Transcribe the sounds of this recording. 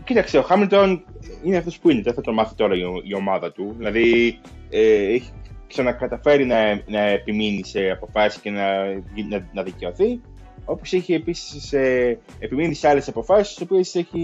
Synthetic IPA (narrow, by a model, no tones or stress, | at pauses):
cit̪ɐkst̪eo̞xɐmilt̪o̞nineɐft̪o̞spuineðeθɐt̪omɐθit̪o̞ɾɐioio̞mɐðɐt̪uðilɐði | eeçi̥ksɐnɐkɐt̪ɐfe̞ɾinɐnɐepiminise̞ɐpo̞fɐsi̥sce̞nɐinɐnɐðice̞o̞θi | o̞po̞seçie̞pisi̥seː | piminiseɐle̞sɐpo̞fɐsist̪i̥so̞pieseçi